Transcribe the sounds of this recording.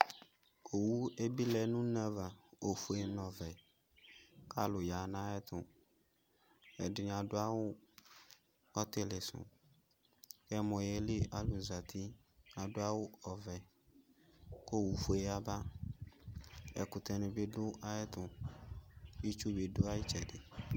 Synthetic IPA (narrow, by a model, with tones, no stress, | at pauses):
o˨wu˦e˦bi˦lɛ˨nũ˦nã˦va˨o˨fu˨e˨nɔ̃˨vɛ˨ | ka˦lʊ˨ja˨nã˦ɛ˦t̪ʊ̃˨ | ɛ˨dɪ˨ɲã˨dʊ˦a˦wʊ˦ | ɔ˦t̪ɪ˦lɪ˨sʊ̰̃˨ | kɛ˦mɔ̃˨jɛ˨lɪ˦a˦lʊ˨za˨t̪ʰi˦ | a˨dʊ˦a˦wʊ˦ɔ˨vɛ˨ | ko˦wu˨fu˨e˦a˨ba˦ | ɛ̰˨kʊ˨t̪ɛ˨nɪ̃˨bɪ˦dʊ˦ʔa˦ɛ˦t̪ʊ˨ | wi˦t͡ʃu˦be˨dʊ˦a˦jɪ˦t͡ʃɛ˨dɪ˨